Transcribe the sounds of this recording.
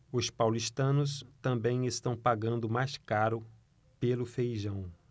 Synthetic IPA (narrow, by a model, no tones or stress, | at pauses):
ʊspawlist̪ɐ̃nʊst̪ɐ̃mbẽj̃est̪ɐ̃w̃paɡɐ̃nd̪ʊmajskaɾʊ | pelʊfejʒɐ̃w̃